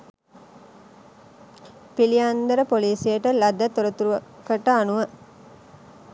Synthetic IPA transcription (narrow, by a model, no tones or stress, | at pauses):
piliand̪əɾəpoliːsijəʈəlɐd̪ːət̪uɾət̪uɾuʋkəʈəanuʋa